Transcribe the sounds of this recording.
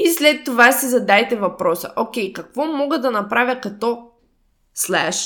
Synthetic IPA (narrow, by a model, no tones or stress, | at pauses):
islɛt̪ːovasizɐd̪ajt̪ɛvɐpɾɔsə̰ʔokʲɛjkɐkvɔmɔɡəd̪ɐnɐpɾavʲjɐkɐt̪ɔ | slɛʃ